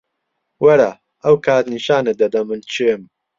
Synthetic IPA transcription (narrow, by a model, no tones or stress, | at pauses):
wɐɾa | ʔɐwkʰaːt̪niʃaːned̪ɐd̪ɐmɨnt͡ʃʰem